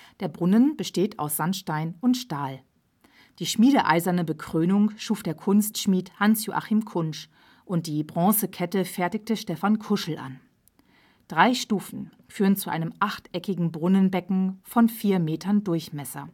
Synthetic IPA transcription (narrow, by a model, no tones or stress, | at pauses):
d̥eːɐbʁʊnənb̥əʃteːtʰa̰ʊsz̥anʃtaɪnʊntʃtaːl | d̥iːʃmiːdəʔa̰ɪzɐnəbəkʁ̥øːnʊŋʃuːfd̥eːɐkʰʊnstʃmiːthansjoʔa̰χiːmkʰʊnʃ | ʔʊnt̚d̥iːbʁɔ̃ːsəkʰɛtəfɛɐtɪk̚təʃtɛfankʰʊʃl̩ʔa̰n | d̥ʁaɪʃtuːfn̩ | fyːʁənt͡suʔa̰ɪnəmʔaχtʔɛkɪɡŋ̩bʁʊnənbɛkŋ̩fɔnfiːɐmeːtʰɐndʊɐçmɛsɐ̰